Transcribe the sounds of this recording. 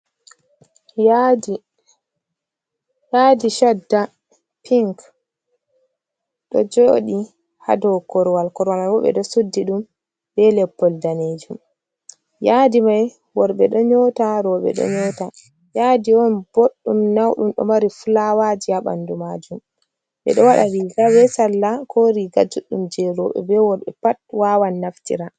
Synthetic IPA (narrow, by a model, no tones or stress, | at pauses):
ai | jaːdiʃadːa | pʰiŋk | ɗɔ̰d͡ʒoːɗi | ha̰dɔwkɔɾwalkɔɾwamajwɔɓɛ̰ɗɔsudːiɗum | bɛlɛpːɔldaned͡ʒum | jadimaj | wɔɾɓɛɗɔɲɔtaɾɔɓɛ̰ɗɔ̰ɲɔta | jadiɔnb̥oɗːumnawɗumɗɔ̰maɾifulawad͡ʒiaɓa̰ndumad͡ʒum | ɓɛ̰ɗɔwaɗaɾiɡawɛsalːakɔɾiɡad͡ʒuɗumd͡ʒɛɾɔɓɛ̰bɛwɔɾɓɛpatwawanːaftḭɾa